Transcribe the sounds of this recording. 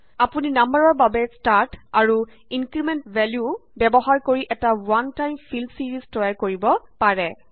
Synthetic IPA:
apuninambəɹɔɹbabɛstaɹtaɹu | inkɹimɛntvʱɛljubɛbɔɦaɹkoɹiʔɛtawantajmfʰilsiɹiztɔjaɹkoɹibɔpaɹɛ

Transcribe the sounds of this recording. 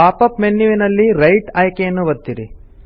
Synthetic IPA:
aːpɐpmenːuʋinɐlːiɾɐjʈaːjkejɐnːuʋɐd̪ːiɾi

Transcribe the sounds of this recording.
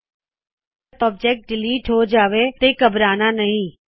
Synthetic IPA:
pɔb̚d͡ʒɛk̚ʈ̚ɖɪliːʈɦod͡ʒaːʋet̪ekɐbɾaːnanɐɦĩː

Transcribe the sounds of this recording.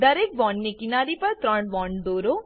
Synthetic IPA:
d̪ɐɾeːk̚ʋɔːɳɖnekinaːɾipɐɾt̪ɾəɳʋɔ̃ːɳɖ̪oːɾoː

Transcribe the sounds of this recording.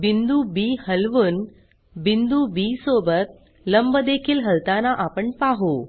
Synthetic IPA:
bind̪ubiːhəlʋuːn | bind̪ubisobət̪̚ | ləmbəd̪ekʰiːlɦəlt̪anaʔapəɳpaɦo

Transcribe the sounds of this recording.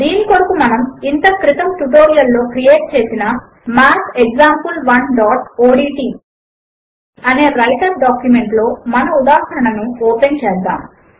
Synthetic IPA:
d̪iːniko̞ɽukumɐnɐmint̪ɐkɾit̪ɐmʈuʈoːɾijɐlːo̞ːkɾije̞ːʈ̚t͡ʃe̞ːsinɐ | maːkeɡzaːmpulʋɐnɖaːʈoːɖiːʈiː | ɐne̞ːɾɐliʈɐɾɖaːkjume̞ɳʈlo̞ːmɐnɐud̪aːɦɐɾɐɳɐnuɔːpent͡ʃɛːsd̪a̰ːm

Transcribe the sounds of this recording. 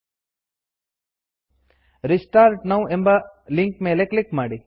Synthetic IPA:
ɾisʈaːɾʈnɐwembɐliŋk̚meːleklikmaːɽi

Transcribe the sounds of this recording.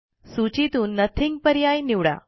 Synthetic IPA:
sut͡ɕit̪uːnːət̪ʰiŋɡpəɾjajniʋɽa̰

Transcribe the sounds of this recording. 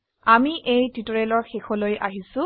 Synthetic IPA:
amiʔejtitɔɹelɔɹxexɔlojʔaɦisʊ̃

